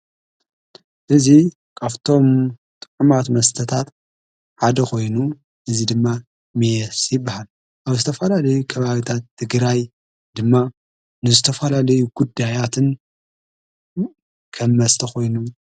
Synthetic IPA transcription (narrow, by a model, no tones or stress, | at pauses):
ʔɨzi | kʰaβt̪ʰo̞mt̪ʼɨ̥ʕumat̪mɐst̪ʰɐt̪ʰat̪ | ħad̪ɐxo̞jnu | ʔɨzid̪ɨmːa | mijɛsjɪbːahal | ʔaβzɨt̪ʰɐfɐlalɐjukʰɐβaβit̪ʰat̪ʰːɨɡɾaj | d̪ɨmːa | nɨzɨt̪ʰɐfɐlalɐjuɡud̪ːajat̪ʰɨn | kʰɐmːɐst̪ʰɐxo̞jnu